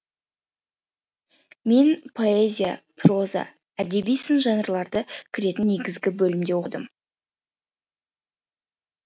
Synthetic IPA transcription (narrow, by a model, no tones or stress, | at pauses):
me̞npʰo̞ezʲija̰pro̞za̰ | æd̪e̞bijsənʒɑnɾlˠɑɾd̪əkʲʰɪɾe̞t̪ɪnːe̞ɡʲɪzɡʲɪbɵlɪmd̪e̞wod̪əm